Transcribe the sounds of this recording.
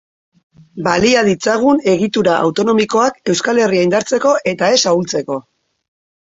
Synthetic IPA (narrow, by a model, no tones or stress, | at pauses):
baliað̞it͡saɣ̞une̞ɣit̪uɾaʔa̰wt̪o̞no̞miko̞ake̞wskale̞riajnd̪aɾt͡se̞ko̞ʔe̞t̪ae̞sault͡se̞ko̞